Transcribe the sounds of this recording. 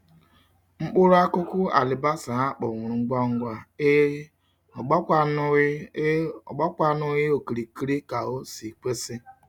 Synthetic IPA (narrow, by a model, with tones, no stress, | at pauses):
ŋ͡m̩˦k͡pʊ˦ɾʊ˦a˦kʊ˦kʊ˦a̰˨lɪ˨ba˦sa˨a˦k͡pɔ˨ŋʷʊ˨ɾu˨ŋ͡m̩˦ɡ͡bɔ˦ŋ̩˦ɡʷa˦˨˦ | ɡ͡bɔ˦kʷa˦nʊ˦ɣɪ˦o˨ki˨ɾi˨ki˦ɾi˦ka˨o˦si˨k͡pʷe˦sɪ˦